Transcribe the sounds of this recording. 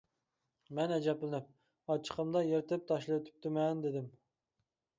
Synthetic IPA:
mɛnɛd͡ʒɛplɪnɪp̚ | ɑt͡ʃʰːə̥qʰəmd̪ɑjeɾɪt̪ɪp̚t̪ʰɑʃlˠɨwt̪ʰy̥p̚t̪ɪmɛnd̪ed̪ɪm

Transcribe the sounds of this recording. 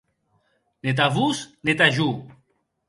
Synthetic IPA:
net̪̬avusnet̪aʒu

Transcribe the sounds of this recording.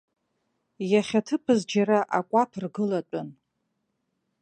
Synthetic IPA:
jaχʲatʰɨpʰɨzd͡ʒaɾaʔakʷʼatʰrɡɨlatʷʼʊn

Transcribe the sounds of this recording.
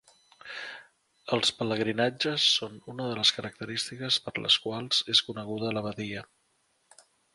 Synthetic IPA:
əlˠspələɣɾinad͡ʒəsːonunəðələskəɾək̚t̪əɾist̪ikəspəɾlə̰skwalˠz̥eskunəɣ̞uðələβ̞əðiə

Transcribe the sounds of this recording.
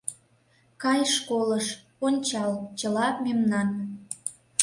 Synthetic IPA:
kɑjʃkoləʃ | onʲt͡ɕɑlt͡ɕəlɑpmemnɑn

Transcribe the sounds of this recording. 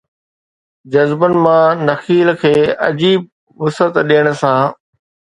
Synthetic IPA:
d͡ʑɐzbənɪ̆mãːnɐxiːlkʰeːɐd͡ʑiːb̚ | ʋʊsət̪ɗeːəɽ̃̆sãː

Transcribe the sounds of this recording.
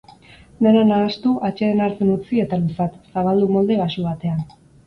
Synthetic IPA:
d̪e̞nanaːst̪uʔat͡ʃeenaɾt͡senut͡sie̞t̪alusat̪saβald̪umo̞ld̪e̞βasuβat̪e̞an

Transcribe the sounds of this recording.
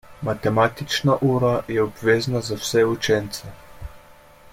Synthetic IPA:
mat̪ɛmat̪it͡ʃnaʔuːɾajɛɔbʋeːznazawsɛut͡ʃɛnt̪sɛ

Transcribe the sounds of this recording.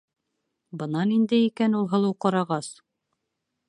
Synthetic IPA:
bɤ̆nɑnind̪ɘikænulˠɦɤ̆lˠɤwqɑɾɑʁɑs

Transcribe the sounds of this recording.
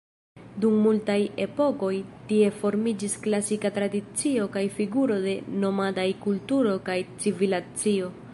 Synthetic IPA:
dumːultaje̞po̞ko̞jtie̞fo̞ɾmid͡ʒisklasikatɾadit͡sio̞kajfiɡuɾo̞de̞no̞madajkultuɾo̞kajt͡sivilat͡sio̞

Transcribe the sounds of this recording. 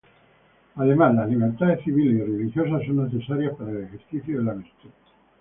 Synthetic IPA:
aðemazlazliβ̞eɾt̪aðesθiβilesirelixjos̬asːonːeθesaɾjaspaɾaelexeɾθiθjoðelamest̪e

